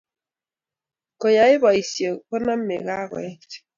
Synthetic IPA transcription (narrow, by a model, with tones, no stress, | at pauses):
kɔ˨ja˨˦ɪ˦bɔ˨i˨sjo˨kɔ˦na˦m̩˦mḛ˨ɣa˦ɣwɛ̰˨˦˨